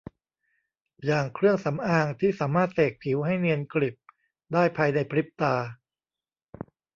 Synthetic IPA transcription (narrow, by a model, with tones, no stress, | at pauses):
jaː˨˩ŋkʰɾɯ˥˩əŋsa˩˦mʔaː˧ŋt̪ʰiː˥˩saː˩˦maː˥˩t̪̚seː˨˩k̚pʰi˩˦wɦa˥˩jni˧ənkli˨˩p̚ | daː˥˩jpʰaː˧jna˧jpʰɾi˦˥p̚t̪aː˧